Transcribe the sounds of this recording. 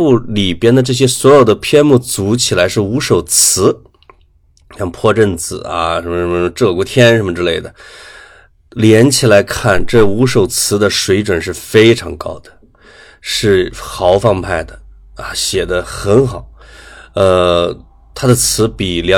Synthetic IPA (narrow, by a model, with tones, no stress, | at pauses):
u˥˩li˨˩pjɛ˥nd̪ə˨ʈ͡ʂɤ˥˩ɕ̬jɛ˥swɔ˧˥jo˨˩ʊd̪ə˦pʰjɛ˥nmu˥˩t͡su˧˥t͡ɕʰi˨˩la˧˥ɪʂɻ̩˥˩u˧˥ʂo˨˩ʊt͡sʰɹ̩˧˥ | jɑ˥˧ŋpʰwɔ˥˧ʈ͡ʂə˥˩nt͡sɹ̩˨˩a̰˧ʂə˧˥nmə˧ʂə˧˥mə˧ʈ͡ʂɤ˥˩kɔ˧˥˩t̪ʰjɛ˥nʂə˧˥mə˧ʈ͡ʂɻ̩˧le˥˩ɪd̪ə˩ | ljɛ˧˥nt͡ɕʰi˨˩la˧˥ɪkʰa˥˩nʈ͡ʂɤ˥˩u˧˥ʂo˨˩ʊt͡sʰɹ̩˧˥d̪ə˧ʂwe˧˥ɪʈ͡ʂwə˨˩nʂ̬ɻ̩˥˩fe˥ɪʈ͡ʂʰɑ˧˥ŋkɑ̰˥ʊd̪ə̥˨ | ʂɻ̩˥˩xɑ˧˥ʊfɑ˥˧ŋpʰa˥˩ɪd̪ə˩ | a̰˧ɕjɛ˨˩d̪ə˦xə˧˥nxɑ˨˩˦ʊə˧ | t̪ʰa˥d̪ə˨t͡sʰɹ̩˧˥pi˨˩ljɑ˧˥